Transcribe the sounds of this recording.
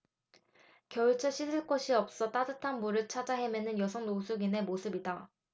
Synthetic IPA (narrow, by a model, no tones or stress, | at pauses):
kjʌɭt͡ɕʰʌɕʰisʰɯɭk͈oɕʰiʌp̚s͈ʌt͈adɯtʰanbuɾɯɭt͡ɕʰad͡ʑaɦe̞menɯnjʌsʰʌŋnosʰuɡine̞mosʰɯbida